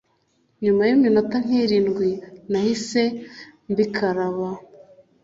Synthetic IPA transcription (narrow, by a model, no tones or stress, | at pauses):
ɲumajiminotaŋ̥iɾiːnɡwinahise̞mbikʰaɾaβa